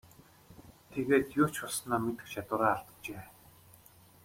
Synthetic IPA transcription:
t̪ʰeɣeːt̪jʊːt͡ɕʰʊɮsnaːmet̪ɘ̥̆xʃat̪ʊːɾaːrt̪ə̥̆t͡ɕeː

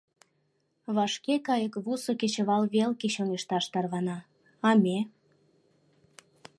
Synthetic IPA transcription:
βɑʃkekɑjəkβusoket͡ɕəβɑlβelket͡ɕoŋeʃt̪ɑʃt̪ɑrβɑnɑː | mʲe

